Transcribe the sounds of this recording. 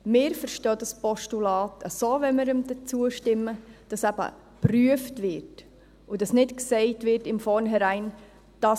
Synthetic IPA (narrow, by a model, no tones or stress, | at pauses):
mɪːɾfəɾʃtøːdɑspɔʃtulɑːtʰəsoːʋɛməɾəmdət͡suəʃtɪmːəd̥ɑsæb̥ə̰ | pryəftʋɪɾt | udɑsnɪtksɛɪtʋɪɾtɪmfɔɾnɦɛɾæɪn | d̥ɑ